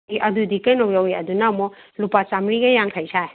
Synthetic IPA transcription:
ʔɐdudikajnawjawiɐdunamɔ | lupat͡ʃamɾiɡɐjaŋkʰajsʰaj

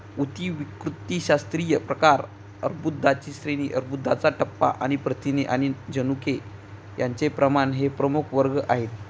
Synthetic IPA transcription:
ut̪iʋikɾut̪ːiːɕast̪ɾijəpɾəkaɾ | əɾbud̪ʱːat͡ɕiːsɾeñiʔəɾbud̪ʱːat͡saʈəpːa̰ʔaɽ̃ipɾət̪ineʔaɽ̃id͡ʑənuke | jaɲt͡sepɾəmanɦepɾəmukʰʋəɾɡəʔaɦet̪

